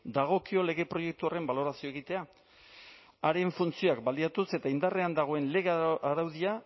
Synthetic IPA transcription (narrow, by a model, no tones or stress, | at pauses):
d̪aɣ̞o̞kio̞le̞ɣ̞e̞pɾo̞je̞k̚t̪uore̞mbalo̞ɾasioeɣ̞it̪e̞a | aɾe̞ɱfunt͡sioakbaliat̪use̞t̪aind̪are̞and̪aɣ̞o̞e̞nle̞ɣeaɾawðia